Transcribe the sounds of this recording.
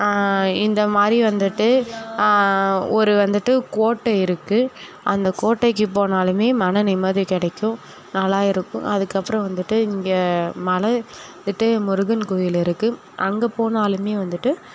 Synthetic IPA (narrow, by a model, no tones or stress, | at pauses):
ɪnd̪ɐmaːd̪ɾiʋɐnd̪ɯʈːɯ | ɔɾɯʋɐnd̪ɯʈːɯkoːʈːɐɪɾɯkːɯʔɐnd̪ɐkoːʈːɐɪk̬ːɯp̬oːnaːlɯmeːmɐnɐnɛɪmaːðɾikɪɽɐkːʊ̃ | nɐlːaːɪɾɯkːʊ̰̃ʔɐðɯkːɐpːɯɾɐ̃ʋɐnd̪ɯʈːɯɪŋɡɐmɐlɐnd̪ɯʈːɯmʊɾɯɣɐnkoːjɪlɪɾɯkːɯ | ʔɐŋɡɐpoːnaːlɯmeːʋɐnd̪ɯʈːɯ